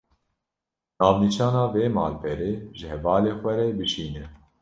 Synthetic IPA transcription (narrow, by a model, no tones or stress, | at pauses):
nɑːvnit͡ʃɑːnɑːveːmɑ̰ːlbʰɛɾeːʒɨhɛvɑːleːxʷɛɾɛbɨʃiːnɛ